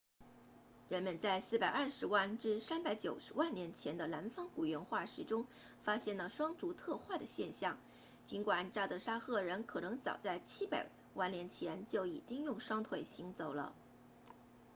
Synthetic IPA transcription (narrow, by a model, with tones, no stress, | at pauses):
ɻə˧˥nmə˧nt͡sa˥˧ɪsɹ̩˥˩pa˨˩ɪʔɐ˞˥˩ʂɻ̩˧˥wa˥˩nʈ͡ʂɻ̩˥˧sa˥npa˧˥ɪt͡ɕjo˨˩ʊʂɻ̩˧˥wa˥˩nljɛ˧˥nt͡ɕʰjɛ˧˥nd̪ə˧la˧˥nfɑ˥ŋku˨˩ɥɛ˧˥nxwa˥˩ʂɻ̩˧˥ʈ͡ʂʊ˥ŋ | fa˥ɕjɛ˥˩nlə˩ʂwɑ˥ŋʈ͡ʂu˧˥t̪ʰɤ˥˧xwa˥˩d̪ə˩ɕjɛ˥˧nɕjɑ˥˩ŋ | t͡ɕi˧˥nkwa˨˩nʈ͡ʂa˥˩t̪ɤ˧˥ʂa˥xɤ˥˩ɻə˧˥nkʰɤ˨˩nɤ˧˥ŋt͡sɑ̰˨˩ʊt͡sa˥˩ɪt͡ɕʰi˥pa̰˨˩ɪ | wa˥˩nljɛ˧˥nt͡ɕʰjɛ˧˥nt͡ɕjo˥˩ʊi˨˩t͡ɕi˥ŋjʊ˥˩ŋʂwɑ˥ŋt̪ʰwe˥˩ɪɕi˧˥ŋt͡so˨˩ʊlə̰˧˦